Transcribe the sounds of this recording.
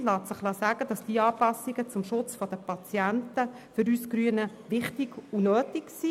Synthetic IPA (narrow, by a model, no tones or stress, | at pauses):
lɑːt̪səχlɑsæːɡ̥əd̥ɑsd̥iəɑːpɑsiɡət͡sʊmʃʊt͡sfɔd̥̪əpɑt͡sjæntə | fʏɾyːskɾyənə | ʋɪχtiɡ̥unøːtiksi